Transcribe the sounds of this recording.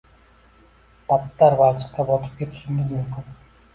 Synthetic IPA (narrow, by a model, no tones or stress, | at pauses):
b̥at̪ːaɾbalt͡ʃʰɪ̥q̚kabɒt̪ʰɪ̥p̚kʲʰe̞t̪ʰɪ̥ʃɪmɪzmʊmkʲɪn